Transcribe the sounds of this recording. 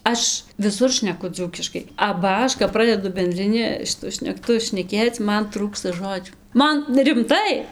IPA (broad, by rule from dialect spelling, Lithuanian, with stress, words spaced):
ˈɐʃ ʋʲɪˈsʊr ʃʲnʲɛˈkʊ ˈd͡zuːkʲɪʃkɐɪ ɐbɐ ˈɐʃ kɐp ˈprɑːdʲɛdʊ bʲɛnʲdʲrʲɪˈnʲɪ ʃʲɪˈtʊ ʃʲnʲɛkˈtʊ ʃʲnʲɛˈkʲeːt͡s ˈmɐn ˈtruːkstɐ ˈʒoːd͡ʒʲuː ˈmɐn rʲɪmˈtɐɪ